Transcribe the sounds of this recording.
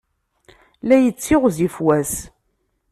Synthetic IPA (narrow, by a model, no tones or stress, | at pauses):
læjət͡sːɪʁzifwæs